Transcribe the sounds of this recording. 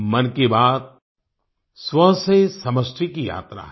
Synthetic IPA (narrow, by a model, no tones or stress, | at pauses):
mɐnkebaːd̪̚ | swɐsesɐməsʈ̪ʰikija̰ːt̪ɾa̰